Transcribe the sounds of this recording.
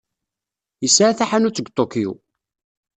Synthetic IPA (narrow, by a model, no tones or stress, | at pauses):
əsʕaθaħanut͡sːəɡʷt̪ˤokijṵ